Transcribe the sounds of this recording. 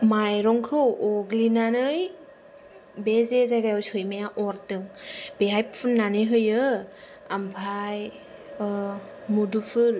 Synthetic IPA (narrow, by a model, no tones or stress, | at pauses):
majɾɔŋkʰɯwʔɔɡlinanɯj | bezezajɡajɔwsɯjmajaʔɔɾtɯŋbeɦajppʰunːanɯɦɯjɯ | ampʰaj | mudupʰɯɾ